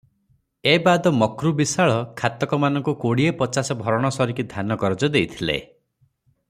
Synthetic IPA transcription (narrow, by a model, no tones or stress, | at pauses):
ebad̪ɔmɔkɾubisaɭɔkʰat̪ɔkɔmanɔŋkukoɽiepɔt͡ʃasɔbʱɔɾɔɽ̃ɔsɔɾikid̪ʱanɔkɔɾɔd͡ʒɔd̪ejt̪ʰilḛ